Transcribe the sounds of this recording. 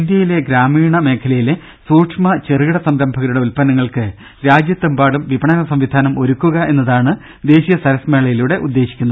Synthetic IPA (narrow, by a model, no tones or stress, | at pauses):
ind̪jɐjile̞ɡɾaːmiːɳɐme̞ːkʰɐlɐjile | suːʈʂmɐt͡ɕerɨɣiɽɐsɐmɾɐmbʱɐɣɐɾuɽeulpɐnɐŋːɐɭkɨ | ɾaːd͡ʑjɐt̪ːɐmbaːɽumʋibʱɐɳɐnɐsɐmʋid̪ʱaːnɐmo̞ɾukːuɣɐʔe̞nːɐðaːɳɨ | d̪e̞ːɕijɐsɐɾɐsme̞ːɭɐjiluːɽe̞ʔud̪ːeːɕi̥kʲːunːɐ